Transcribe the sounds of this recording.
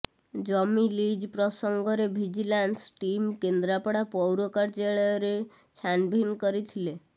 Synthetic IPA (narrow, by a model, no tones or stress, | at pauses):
d͡ʒɔmilid͡ʒpɾɔsɔŋɡɔɾebʱid͡ʒilansʈimkend̪ɾapɔɽapɔwɾokaɾt͡ʃeɭɔɾe | t͡ʃʰanbʱinkɔɾit̪ʰile